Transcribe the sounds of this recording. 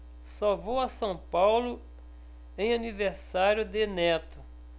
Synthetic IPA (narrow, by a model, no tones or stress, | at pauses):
savowɐsɐ̃w̃pawlʊ | ẽj̃aniveɾsaɾjʊd̪ɪnɛt̪ʊ